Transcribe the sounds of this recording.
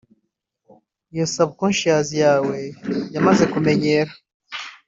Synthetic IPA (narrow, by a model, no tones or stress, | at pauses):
jesabkonʃaːzijaːwejamazekumeɲeɾa